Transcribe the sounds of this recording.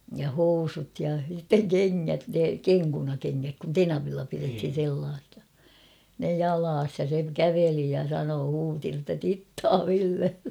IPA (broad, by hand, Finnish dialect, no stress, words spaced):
jɑ housut jɑ sitːeŋ keŋːæt ne keŋkunɑkeŋːæk kun tenɑʋilːɑ pirethin̞ selːɑːsi̥ɑ̥ ne jɑlɑːs jɑ se kæʋeli jɑ sɑnoː huːti notːɑ titːɑː ʋilːelːe